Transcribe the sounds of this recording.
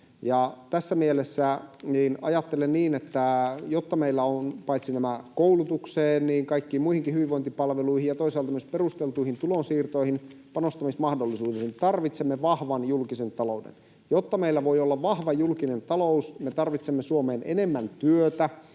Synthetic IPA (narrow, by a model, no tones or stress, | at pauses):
jɑt̪æsːæmielesːæniːnɑ̰jɑt̪ːelenniːnet̪ːæjot̪ːɑmeilːæonpɑit̪sinæmækoulut̪ukseːnniːŋkɑikːiːmuihiŋkihyʋiʋʋoint̪ipɑlʋeluihijɑt̪oisɑːlt̪ɑmyøsperust̪elt̪uihint̪ulonsiːrt̪o̞ihin | pɑnost̪ɑmismɑhdolːisuːdensit̪ɑrʋit̪semːeʋɑhʋɑnjulkisent̪ɑloudḛn | jot̪ːɑmeilːæʋo̞iolːɑʋɑhʋɑjulkinent̪ɑlousmet̪ɑrʋit̪semːesuomeːnenemːænt̪yøt̪æ